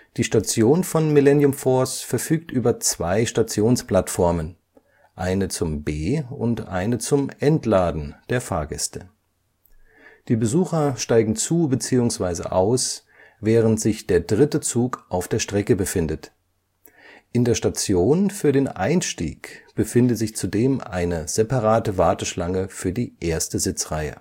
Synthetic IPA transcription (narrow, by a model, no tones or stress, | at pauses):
d̥iːʃtat͡sjoːnfɔnmɪlɛnjʊmfɔɐsfɛɐfyːk̚tʔyːbɐt͡sv̥aɪʃtat͡sjoːnspl̥atfɔɐmən | ʔaɪnət͡sʊmbeːʊntʔa̰ɪnət͡sʊmʔɛntlaːdn̩d̥eːɐfa̰ːɐɡɛ̰stə | d̥iːbəzuːxɐʃtaɪɡŋ̩t͡suːbət͡siːʊŋsv̥aɪzə̰ʔaʊs | vɛːʁəntz̥ɪçd̥eːɐdʁɪtət͡suːkʔaʊfd̥eːɐʃtʁ̥ɛkəbəfɪndət | ʔɪndeːɐʃtat͡sjoːnfyːɐdeːnʔa̰ɪnʃtḭːkb̥əfɪndətzɪçt͡sudeːmʔa̰ɪnəz̥epaʁaːtəvaɐtəʃlaŋəfyːɐdiːʔeːɐstəzɪt͡sʁ̥aɪə̰